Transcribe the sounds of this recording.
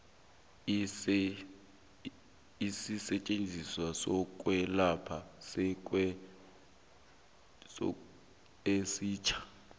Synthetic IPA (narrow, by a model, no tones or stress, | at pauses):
isisɛt͡ʃʼend͡zʱiswasɔk̬ʼwɛlapʰasɛkʼwɛ | esiːt͡ʃʰḁ